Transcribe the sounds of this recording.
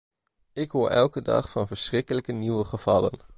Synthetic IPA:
ɪkɦoːɹʔɛ̰lˠkədɑ̰χfɑnvəɹsrɪkələkəniʋəχəv̥ɑlə̰n

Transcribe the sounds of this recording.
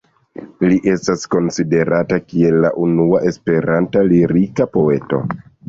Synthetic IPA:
liʔe̞stasko̞nside̞ɾatakie̞lːa̰ʔunuaʔe̞spe̞ɾantaliɾikapo̞e̞to̞̰

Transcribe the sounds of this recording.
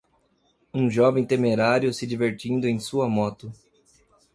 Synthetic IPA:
ũʒɔvẽj̃t̪emeɾaɾjʊsɪd͡ʒiveɾt͡ʃĩnd̪ʊẽj̃suɐmɔt̪ʊ

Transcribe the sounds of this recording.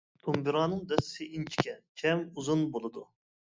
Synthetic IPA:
t̪ʰumbɨɾɑːnɨŋd̪ɛsɪ̥sɪint͡ʃʰi̥kʲʰɛt͡ʃʲʰɛmuzunbolˠɨd̪u

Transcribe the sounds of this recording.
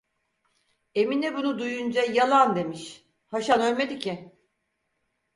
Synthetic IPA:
e̞minɛbunud̪ujund͡ʒajalˠand̪e̞miʃ | haʃanølʲmed̪icʰɪ

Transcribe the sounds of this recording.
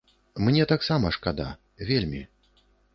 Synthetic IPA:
mnʲɛt̪aksamɐʂkad̪a̰ | vʲelʲmʲḭ

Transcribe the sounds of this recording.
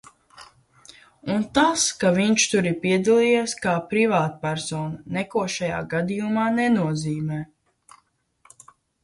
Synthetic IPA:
unt̪askaviɲt͡ʃt̪uɾipiɛd̪alˠijaskaːpɾivaːt̪pæɾsɔːnunɛkuɔʃaja̰ːɡad̪ijumaːnɛnuɔziːmɛː

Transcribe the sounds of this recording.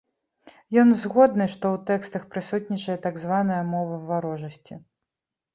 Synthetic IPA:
jɔnzɣɔd̪nɨʂt̪ɔwt̪ɛkst̪ɐxpɾɨsut̪̚ʲnʲit͡ʂɐjɛt̪aɡzvanɐjɐmɔvɐvaɾɔʐɐsʲt͡sʲi

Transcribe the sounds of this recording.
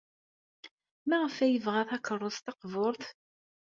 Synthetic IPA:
mæʁəfæjəvʁæθɑkərˤːost̪ɑqvʊɾˤθ

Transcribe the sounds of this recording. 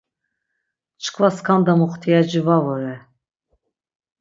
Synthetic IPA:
t͡ʃʰkʰvaskʰand̪amuχt̪ʰijad͡ʒivavɔɾɛ

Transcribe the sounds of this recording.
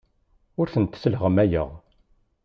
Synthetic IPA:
ʊɾθənt̪səlʁəmæjə̰ʁ

